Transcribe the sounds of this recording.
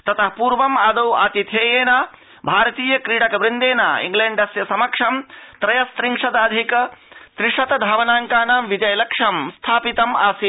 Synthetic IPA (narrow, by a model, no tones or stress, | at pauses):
t̪ɐt̪ʰɐpuːɾʋɐmaːd̪ɐwa̰ːt̪it̪ʰeːjeːnaː | bʱaːɾɐt̪iːjɐkɾiːɽɐkɐʋɾind̪eːna̰ːḭŋɡleɳɖɐsjɐsɐmɐkʂɐmt̪ɾɐjɐst̪ɾiŋʂɐd̪aːd̪ʱikɐt̪ɾiʂɐt̪ɐd̪ʱaːʋɐnaːŋkaːnaːmʋid͡ʒɐjɐlɐkʂɐmst̪ʰaːpit̪ɐma̰ːsi